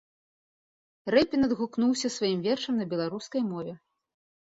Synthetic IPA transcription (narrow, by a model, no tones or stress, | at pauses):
rɛpʲinɐd̪ɣuknuwsʲɐsvajimvʲɛrʂɐmnɐbʲɛlˠaɾuskɐjmɔvʲɛ